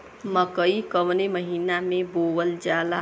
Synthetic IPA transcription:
məkəikəʋneməɦiːnamẽboːwəld͡ʒaːla

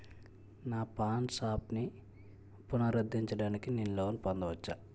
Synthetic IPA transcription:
naːpaːnsaːpni | punɐɾɐd̪ːiɲt͡ʃɐɽaːnikininloːnipɐnd̪ɐʋɐt͡ʃːa

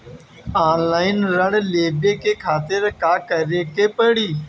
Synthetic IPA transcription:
aːnlaːɪnɾəɽleːbeːkeːkʰaːt̪ɪɾkaːkəɾeːkeːpəɽiː

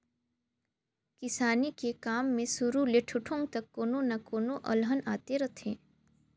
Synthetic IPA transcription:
kɪsaːnikekaːmːẽsʊɾuleʈʰʊʈʰõŋɡ̚t̪əkːoːnõnakoːnoʔə̰lɦənaːt̪eɾət̪ʰẽː

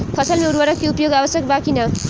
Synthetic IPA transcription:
pʰʌsʌlmeuɾbʌɾʌkːiupjoɡabʌsjʌk̚bakʰinʌ

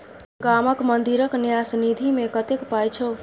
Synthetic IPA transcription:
ɡaməkmənd̪iɾəknjasnid̪ʱimekət̪ekpajt͡ʃʰo

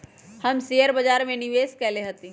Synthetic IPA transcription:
hɐmsejəɾbɐd͡ʒaːɾmẽnɪʋeːskɛːleɦɐt̪i

